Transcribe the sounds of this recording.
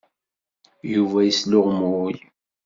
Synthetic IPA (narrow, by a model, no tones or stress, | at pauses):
juvæjəslʊʁmuj